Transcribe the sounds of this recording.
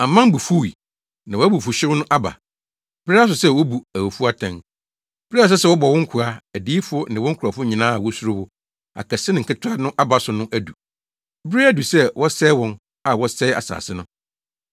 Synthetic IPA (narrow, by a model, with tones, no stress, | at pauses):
ã˨mã˦m˦bu˨fu˦wi˨ | nã˨wɔ˨˦æ˦bu˨fʊ˨ɕɪ˦ɾnʊ̃˦ʔa˦ba̰˨ | b̥i˦a˦s̬ʊ˨sɛ˦˨wɔ˦bu˨æ˨wo˨fu˦a˦tʰã˨n | b̥ɪ˦ɾi˦a˨s̬ɛ˦sɛ˦wɔ˦bɔ˨wɔ̃˦ŋ̩˦kʰʊ˨ɾa˨æ˨diː˦fʊ˦ɔ˦nɪ̃˨wɔ̃˦ŋ̩˦kʰʊ˨ɾa˨fʊ˦ɲĩ˨nãː˦a˨wɔ˦su˦ɾʊ˦wʊ˦ | a̰˨kɛ˨sɪ˦nɪ̃˨ŋ̩˨kʰɪ˦tʰɾa˦nʊ̃˦ʔa˦ba˨sʊ˨nʊ̃˦ʔæ˦du˨ | bɪ˦ɾi˦æ˦du˨sɛ˦wɔ˦sɛ˦wɔ̃˦n | a˨wɔ˦sɛ˦a̰˨sa̰ː˨sɪ˦nʊ̃˦